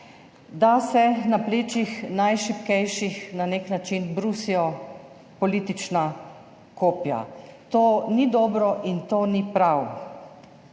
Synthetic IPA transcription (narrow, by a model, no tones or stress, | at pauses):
d̪asɛnapleːt͡ʃixnajʃipkɛjʃixnaneknat͡ʃinbɾusiɔ | pɔliːt̪it͡ʃna | koːpja̰t̪oːnid̪ɔːbɾɔʔint̪oːnipɾaw